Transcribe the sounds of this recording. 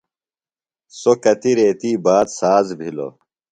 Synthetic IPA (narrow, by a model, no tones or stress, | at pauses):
sokɐt̪iɾeːt̪iːbaːd̪saːzbʱilo̰